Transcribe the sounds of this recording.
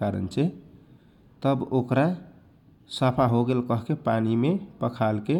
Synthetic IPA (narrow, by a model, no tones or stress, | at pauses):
kaɾə̰nt͡ʃʰɛ | t̪əbokɾa | sapʰaɦoɡelkəɦkepanimepəkʰalke